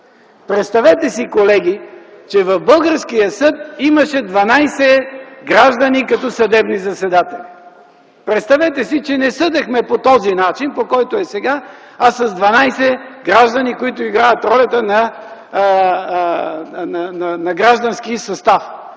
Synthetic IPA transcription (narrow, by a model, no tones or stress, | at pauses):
pɾɛt̪st̪ɐvɛt̪ɛsikolɛɡ̟i | t͡ʃɛvɐvbɤlˠɡəɾskijəsɤt̪imɐʃɛd̪vɐnajsɛɡɾaʒd̪ɐnikɐt̪ɔsɐd̪ɛbnizɐsɛd̪at̪ɛli | pɾɛt̪st̪ɐvɛt̪ɛsit͡ʃɛnɛsɤd̪ɛxmɛpot̪ɔzinat͡ʃinpokɔjt̪oɛsɛɡa | asɐzd̪vɐnajsɛɡɾaʒd̪ɐnikoit̪ʊiɡɾajət̪ɾɔlʲɐt̪ənɐ | nnɐnɐɡɾaʒd̪ɐnskisɐst̪af